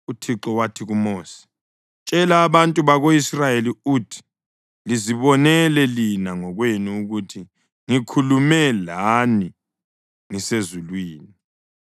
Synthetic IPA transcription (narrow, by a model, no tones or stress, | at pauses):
utʰiǁɔwatʰiɣumoːsi̥ | t͡ʃʼɛlaːβantʼuβaɣoisrajeliuːtʰi̥ | liziβɔnɛlɛlinaŋɔɣweniuɣutʰi | ŋikʰulumɛlani | ŋisezulwiːni